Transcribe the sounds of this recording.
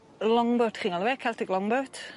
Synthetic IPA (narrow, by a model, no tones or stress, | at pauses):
lɔŋbɔtʰχiːnalˠvɛkʰɛlˠtʰɛɡlˠɔŋbɔtʰ